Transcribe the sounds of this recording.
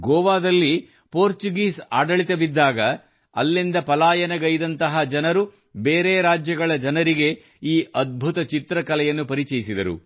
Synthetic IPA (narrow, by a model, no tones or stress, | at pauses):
ɡɔːʋaːd̪ɐlːi | poːɾt͡ʃuɡiːsaːɖɐɭit̪ɐbid̪ːaːɡɐ | ɐ̰lːind̪ɐpɐlaːjɐnɐɡɐjd̪ɐnt̪ɐɦɐd͡ʒɐnɐɾu | be̞ːɾeːɾaːd͡ʒjɐɡɐɭɐd͡ʒɐnɐɾiɡe̞ | iːʔɐd̪̚bʱut̪ɐt͡ʃit̪ɾɐkɐlɛjɐnːupɐɾit͡ʃɛjisid̪ɐɾṵ